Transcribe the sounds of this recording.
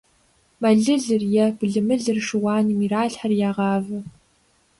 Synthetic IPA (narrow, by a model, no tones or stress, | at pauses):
mɐɮɨɮɨrjɛbɮɨmɨɮɨrʂɨwɑːnimiɾaːɬħarjaːʁɑːvɐ